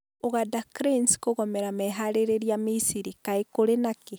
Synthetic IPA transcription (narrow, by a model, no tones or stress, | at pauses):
oɣadakɾinskoɣɔmɛɾamɛɦaɾeɾeɾiamisiɾikaekoɾenake